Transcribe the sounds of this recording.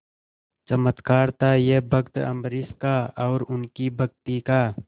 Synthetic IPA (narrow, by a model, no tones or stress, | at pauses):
t͡ʃəmət̪kaːɾt̪ajebʱəkt̪ə̰mɾɪskaɔːɾʊnkibʱəɡ̚t̪ikaː